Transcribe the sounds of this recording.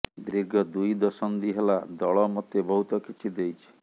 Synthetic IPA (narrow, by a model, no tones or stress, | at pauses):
d̪ɾiɾɡʱɔd̪ujd̪ɔsɔnd̪iɦelad̪ɔɭɔmɔt̪ebɔɦut̪ɔkit͡ʃʰid̪ejt͡ʃʰi̥